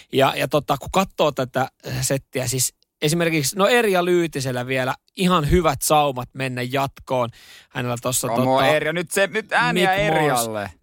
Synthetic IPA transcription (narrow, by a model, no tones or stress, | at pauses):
jɑ̰jɑt̪ot̪ːɑkukɑt̪ːoːt̪æt̪æset̪ːiæsis | esimerkiksnoerijɑlyːt̪iselːæʋielæ | ihɑnhyʋæt̪sɑumɑt̪menːæjjɑt̪koːnhænelːæt̪osːɑt̪oˑɑerjɑnyt̪senyt̪æːnæerjɑlːḛ